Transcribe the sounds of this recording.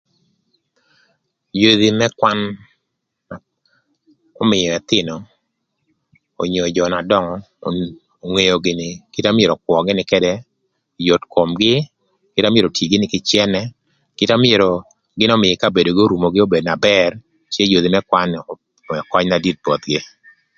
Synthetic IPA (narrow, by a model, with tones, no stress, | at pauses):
jo˦ði˨mɛ˦kwa˦n | a˨ | ɔ˦mɪ˨jɔ˨ɛ˨t̪ɪ˦nɔ˨ | o̰˨ɲo˨d͡ʒɔ˨na˨dɔ˦ŋɔ | o˨ŋe˨jo˨ɡɪ˨nɪ˨kɪ˦ta˦mɪe˨ɾɔ˨kwʷɔ˨ɡɪ˦nɪ˨kɛ˦dɛ˦ | jo˨tko˨mɡɪ˦ | kɪ˦ta˦mɪ˦e˦ɾo˨tʰi˨ɡɪ˦nɪ˦kɪ˦t͡ʃjɛ˦nɛ˦ | kɪ˦ta˦mɪ˦e˨ɾo˨ | ɡɪ˦nɔ˦mɪ˨jɛ˨ka˦be˨do˨ɡɪ˦o˦ɾu˨mo˨ɡɪ˦o˦be˨dna˨bɛ˦r | t͡ʃe˦jo˨di˨mɛ˦kwa˦n˨ | ɛ˨kwa˦ɲna˨di˦t̚bɔ˨t̪ɡɪ˦